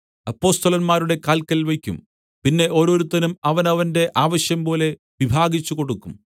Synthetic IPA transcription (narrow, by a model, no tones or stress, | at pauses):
ɐpːo̞ːst̪ɐlɐnmaːɾuɽe̞kaːlkːɐlʋekʲːṵm | pinːe̞ʔo̞ːɾoːɾut̪ːɐnumɐʋɐnɐʋɐnde̞ʔaːʋɐɕjɐmpo̞ːle̞ | ʋibʱaːɡit͡ɕːuko̞ɽukːum